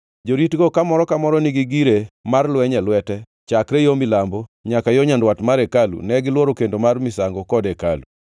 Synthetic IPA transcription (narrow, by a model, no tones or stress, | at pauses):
d͡ʒoɾitɡokamɔɾɔkamɔɾɔniɡiɡiɾemarlwɛɲɛlwɛtɛ | t͡ʃakɾɛjomɪlambɔɲakajɔɲandwatmaɾɛkalṵnɛɡɪlwɔɾokendomarmɪsaŋɡɔkɔdɛkalu